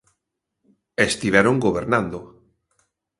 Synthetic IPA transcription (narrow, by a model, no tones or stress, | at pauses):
est̪iβɛɾoŋɡoβ̞eɾnãnd̪o